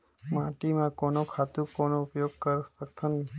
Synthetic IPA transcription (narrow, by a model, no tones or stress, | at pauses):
mãʈimãkonokʰat̪ukonoʊpjoɡ̚kəɾsək̚t̪ʰani